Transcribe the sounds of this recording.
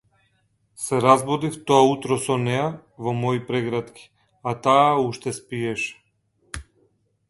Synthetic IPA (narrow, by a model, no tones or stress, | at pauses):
sɛɾazbɔd̪ift̪ɔaut̪ɾɔsɔnɛja | vɔmɔipɾɛɡɾat̪kʲi̥ | at̪aːuʃt̪ɛspiɛʃ